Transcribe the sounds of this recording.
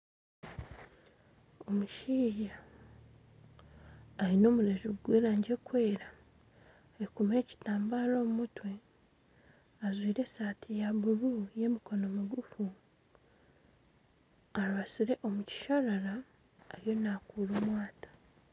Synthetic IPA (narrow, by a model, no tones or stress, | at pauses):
o̞muʃiːja | ɾino̞ːmuɾezuɡwe̞ːɾaːɲɟe̞kwe̞ːɾa | ekume̞ːci̥taːmbaːɾo̞ːmumutwe̞ | azwiːɾe̞satʰijaβuɾuje̞miko̞no̞miɡufu | aɾβasiɾe̞ʔo̞muci̥ʃaɾaɾa | ejo̞naːkuːɾoːmwaːtḁ